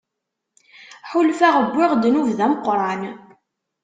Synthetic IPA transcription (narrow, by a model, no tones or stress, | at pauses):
ħulfæʁəbːɪʁd̪nuvðæməqːɾˤɑn